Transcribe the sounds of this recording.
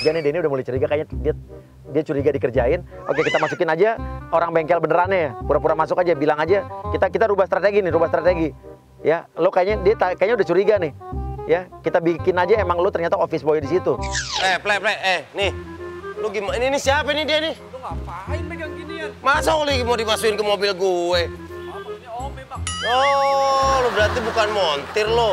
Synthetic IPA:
d͡ʒanɪhdianɪudahmulajt͡ʃuɾiɡakaɲadia | diat͡ʃuɾiɡadikərd͡ʒaɪno̰kekit̪amasukɪnad͡ʒaoɾaŋbɛŋkɛlbənəɾaɲajapuɾapuɾamasʊkad͡ʒabilaŋad͡ʒakit̪akit̪aɾubahst̪ɾat̪eɡinɪhɾubahst̪ɾat̪eɡi | jalokajaɲadiat̪akajaɲaudaht͡ʃuɾiɡanɪhjakit̪abikɪnad͡ʒaemaŋlot̪ərɲat̪aofɪsboɛdisit̪uɛplɛplɛʔɛnɪhloɡimaininɪsiapɛnɪdianɪ | aimasaolɛɡimodimasuɪnkəmobɪlɡuɛ | o | lobəɾat̪ibukanmont̪ɪrlo

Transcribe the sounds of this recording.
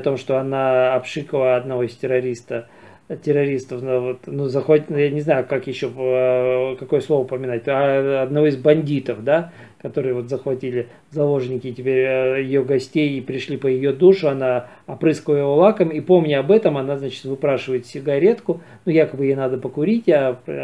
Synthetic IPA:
t̪o̞mʂt̪o̞ɐnaɐpʂɨkəlˠəɐd̪nɐvo̞ɪsʲtʲɪɾɐɾʲist̪ə | tʲɪrɐɾʲist̪əfnavot̪nuzəxojanʲɪznajʊkakjɪɕːo | kɐko̞jəslˠovpəmʲɪnat̚ʲɐɐd̪nɐvo̞izbɐnʲdʲit̪əfd̪a | kɐt̪o̞ɾɨjəvo̞t̪zəxvɐtʲilʲɪ | zɐlˠo̞ʐnʲɪkʲɪtʲɪpʲeɾʲjɪjoɡɐsʲtʲejipɾʲɪʂlʲipəjɪjod̪uʂʊɐna | ɐpɾɨskəlˠəjɪvolˠakəmipo̞mnʲɪɐbɛt̪əmɐnaznat͡ɕɪ̥t̪vɨpɾaʂɨvəjɪt̪sʲɪɡɐɾʲet̪kʊ | nujakəbɨjjenad̪əpəkʊɾʲitʲap

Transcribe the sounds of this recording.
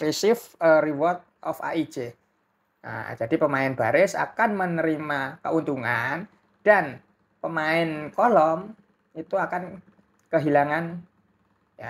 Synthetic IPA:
fisɪfəriwɔrt̪̚ʔɔfa̰ʔi̥d͡ʒ̥e | ə̰d͡ʒadipəmaɪnb̥aɾɪsa̰kanmənəɾimakəunt̪uŋan | d̥an | pəmaɪnkɔlɔm | it̪uakan | kəɦilaŋan | ja

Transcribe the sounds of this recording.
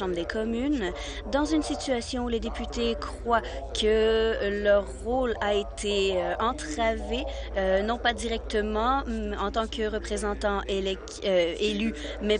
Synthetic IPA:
ɑ̃bʁd̪ekʰɔmyn | d̪ɑ̃zynsit̪yasjɔ̃uled̪epyt̪ekχwa | kʰəlœʁːolaet̪ʰeøɑ̃t̪χave | ønɔ̃pad̪iʁɛk̚t̪əmɑ̃ɑ̃t̪ɑ̃kəʁəpχezɑ̃t̪ɑ̃elɛ | ely | mɛ

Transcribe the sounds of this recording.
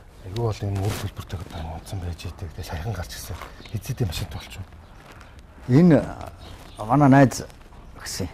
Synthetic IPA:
eɣuwɔɮɞ̆enort̪ʰɵɮpɵ̆r̥t̪ʰœk̆t̪ːanʊn̥t̪sə̆mpæːt͡ɕeːt̪ɘ̆kt̪eːʃæj̆χə̆ɴɢar̥t͡ɕɪ̥̆sə̆ŋxet͡seːt̪eːmaʃɪ̆nt̪ʰʊɬt͡ɕŭ | en | manaːnæːt͡s | xsɘ̆ŋ

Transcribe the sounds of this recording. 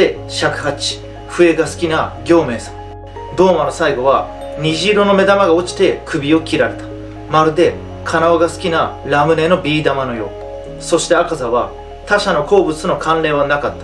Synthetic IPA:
eɕakɯ̟̥hat͡ɕi̥ | ɸɯ̟e̞ɡasɨ̥kʲinaɡʲo̞ːme̞ːsḁ̃ | d̪o̞ːmano̞saiɡo̞β̞a | ɲ̟iʑiːɾo̞no̞me̞d̪amaɡao̞t͡ɕi̥t̪e̞kʰɯ̟bʲio̞kʲiɾaɾe̞t̪ḁ | maɾɯ̟d̪e̞ | kʰanaoɡasɨ̥kʲinaɾamɯ̟ne̞no̞bʲiːd̪amano̞jo̞̰ː | so̞ɕi̥t̪e̞akazaβa | t̪aɕano̞ko̞ːbɯ̟t͡sɨno̞kãnɾe̞ːβ̞anakat̪ːḁ

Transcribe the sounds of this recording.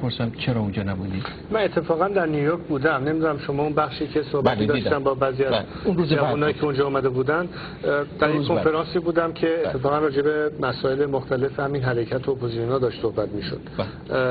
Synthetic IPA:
poɾsæmt͡ʃʰeɾɒund͡ʒɒːnæbud̪i | mænet̪ʰːe̞fɒːɣænd̪æɾnijujoɾcʰbuːd̪æmnemid̪unæmʃo̞mɒːunbæχʃiːcʰe̞sohbæt̪id̪ɒːʃt̪ænbɒːbæːziːæ | unɾuzd͡ʒævunɒːjiːcʰeund͡ʒɒːumæd̪e̞buːd̪ænd̪ | d̪̥æɾjekkʰːofe̞ɾɒːnsiːbuːd̪æmcʰe̞ːt̪ʰːe̞fɒːɣænrɒːd͡ʒe̞bemæsɒːe̞lemoxt̪æle̞fehæminɦæɾecʰæt̪ʰoːpʰozisonhɒːd̪ɒːʃt̪sohbæt̪miːʃo̰d̪̥

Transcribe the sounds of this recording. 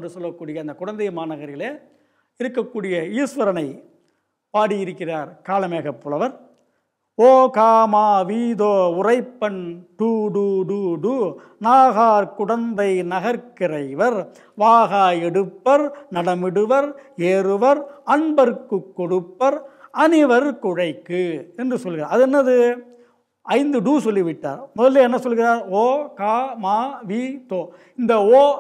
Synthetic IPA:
rɯsɔlːɐkːuːɽɪjɐɐnd̪ɐkʊɻɐnd̪ɐɪmaːnɐɣɐɾɪleː | ɪɾɯkːɐkːuːɽɪjɐiːsʋɐɾɐnɐɪ | paːɽijɪɾɯkːɪraːɾkaːlɐmeːɣɐpːɯɭɐʋɐɾ | oːkaːmaːʋiːðoːʊrɐɪpːɐɳʈuːɽuːɽuːɽu | naːɣaːɾkʊɽɐnd̪ɐɪnɐɣɐɾkɪrɐɪʋɐɾ | ʋaːɣaːjɛɽɯpːɐɾnɐɽɐmɪɽɯʋɐɾeːɾɯʋɐɾɐɳbɐɾɯkːɯkːɔɽɯpːɐɾɐnɪʋɐɾkʊɻɐɪkːɯɛndrɯsɔlːɣɪɾa̰ːɾɐðɛnːɐðɯ | ʔɐɪnd̪ɯɖuːsɔlːiʋɪʈːa̰ːɾmʊðɐleɛnːɐsɔlːɣɪɾaːɾoːkaːmaːʋiːt̪oː | ɪnd̪ɐoː

